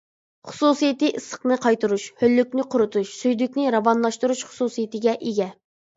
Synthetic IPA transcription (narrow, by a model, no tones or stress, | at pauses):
χʊ̥susijit̪ɨʔɨsə̥qnɨqʰɑjt̪uɾuʃhølːykʲnɪqʰʊɾɨt̪ʰuʃsyjd̪ykʲnɪɾɑvɑnlˠɑʃt̪uɾuʃχʊ̥susijit̪ɪɡʲɛʔeɡʲɛ